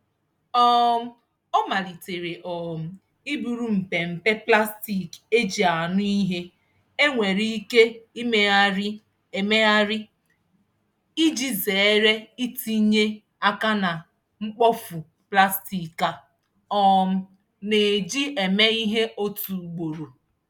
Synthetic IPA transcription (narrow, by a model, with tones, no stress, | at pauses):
ɔ˦m̩˦ | ɔ˦ma˨li˨te˨ɾe˨ʔɔ˨m̩˨ | i˦bu˨ɾu˦m̩˨pe˨m̩˨pe˦pla˦sti˨ke˦d͡ʒi˨a˨nʊ˦i˦ɦe˦ | e˦ŋʷe˨ɾi˦i˦ke˦i˦me˦a˦ɾɪ˦ | e˨me˦a˦ɾɪ˦ | i˦d͡ʒi˦ze˨e˦ɾe˦i˦ti˦ɲe˦ | a˦ka˦na˨ | ŋ͡m̩˦k͡pɔ˦fu˨ | pla˦sti˨ka˨ | ɔ˦m̩˨ | ne˨d͡ʒi˦ʔe˨me˦i˦ɦe˦ʔo˦tu˨˦ɡ͡bo˨ɾo˨